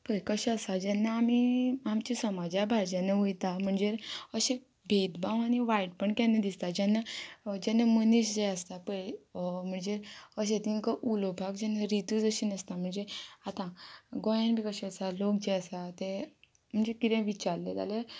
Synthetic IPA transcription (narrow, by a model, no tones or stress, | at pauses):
pəkəɕɛəsad͡ʑɛnːaamiamt͡ɕisəmad͡ʑjabʱaɾd͡ʑãneujt̪am̤əɳd͡zeəɕe | bʱed̪bãʋañiʋajʈ̚pəɳkanːed̪ist̪ad͡ʑanːad͡ʑɛnːaməniɕd͡ʑeəst̪apəjm̤əɳd͡zeəɕ̬ẽt̪iŋkəʔulobʱaɡd͡ʑɛnːaɾit̪ud͡zəɕinəst̪am̤əɳd͡zeat̪ãɡojãnbʱikəɕeəsalokd͡ʑeəsat̪e | m̤əɳd͡zekit̪ẽʋit͡ɕaɾlet̪a̰le